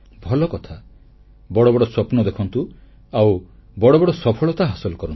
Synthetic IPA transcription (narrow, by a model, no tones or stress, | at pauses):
bʱɔlɔkɔt̪ʰa | bɔɽɔbɔɽɔswɔpnɔd̪ekʰɔnt̪u | awbɔɽɔbɔɽɔsɔpʰɔɭɔt̪aɦasɔlɔkɔɾɔnt̪